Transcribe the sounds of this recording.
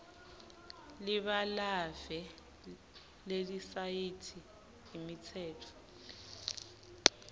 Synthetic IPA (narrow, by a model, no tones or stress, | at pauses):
lɪβalavɛ | ledisaitʰi | ɦimit͡sʰɛːtʰɔ̥